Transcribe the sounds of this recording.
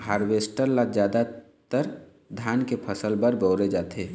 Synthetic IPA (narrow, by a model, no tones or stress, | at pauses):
ɦaːɾʋesʈəɾlad͡ʒjaːd̪a | t̪əɾ | d̪ʱjaːnkepʰəsəlbəɾbɔːɾed͡ʒaːt̪eː